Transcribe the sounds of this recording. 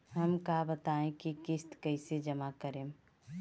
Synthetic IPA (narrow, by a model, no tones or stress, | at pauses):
ɦəmkaːbət̪aẽkikɪst̪kəɪsed͡ʒəmakəɾẽːm